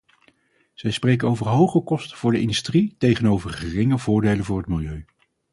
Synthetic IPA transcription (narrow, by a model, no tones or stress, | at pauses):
z̥ɛjsprejkənowvəɹɦowχəkɔstəv̥ʊːɹdəɪndystritejχənowvərχərɪŋəvʊːɹdejləvʊːɹɦətmɪlˠjøɥ